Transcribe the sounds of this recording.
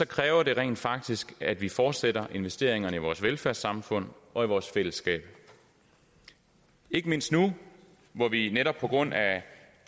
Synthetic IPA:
sɒ̽kʰʁɛːʊɐd̥e̝ʁɛ̰ɪ̰ːnd̥fɑ̈ɡ̥̚d̥isɡ̥æd̥ʋifɒːd̥seɾɐʔe̝nʋesd̥e̝̰ɐ̰e̝ŋɐnəiʋɒːsʋelfæɐ̰sɑ̈mfɔ̽n̰ɒ̽iʋɒːsfel̰əsɡ̥ɛ̰ːb̥ | e̝ɡ̥əme̝n̰sd̥nu | ʋɒʋineɾɒ̽b̥̚pʰɒ̽ɡ̥ʁɔ̽n̰æ

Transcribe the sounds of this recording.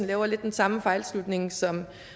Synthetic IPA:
n̩lɛːʊɐle̝d̥ːensɑ̈məfɑ̈ɪlslud̥ne̝ŋsɒ̽m

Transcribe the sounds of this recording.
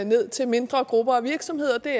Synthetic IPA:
ne̝ð̞̰ˠt͡sʰe̝lme̝nd̥ʁɐɡ̥ʁub̥ɐɒʋiɐɡ̥sɒ̽mhe̝ð̞̰ˠɐd̥e̝

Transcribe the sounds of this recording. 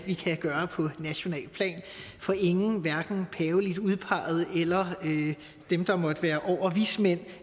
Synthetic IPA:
ʋikʰæɡ̥ɶːɐpʰɒ̽næɕo̝nɛ̰ːlpʰlɛ̰ːn | fɒ̽ʔe̝ŋn̩ʋæɐɡ̥n̩pʰɛːʊlid̥uð̞ˠpʰɑ̈ð̞̩ˠelɐø | d̥emd̥ɑ̈mɒ̽d̥əʋæːɐʔɒʊ̰ɐʋismen̰

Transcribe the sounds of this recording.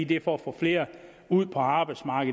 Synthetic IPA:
id̥efɒfɒ̽fle̝ːɐ | uð̰ˠpʰɒ̽ɑ̈ːb̥ɑɪd̥smɑ̈ːɡ̥əðˠ

